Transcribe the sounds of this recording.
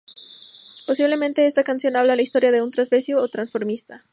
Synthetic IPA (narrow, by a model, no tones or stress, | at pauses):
po̞siβle̞mẽnt̪e̞est̪akansjo̞naβ̞lalaist̪o̞ɾjaðe̞unt̪ɾazβesjoːt̪ɾansfo̞ɾmist̪a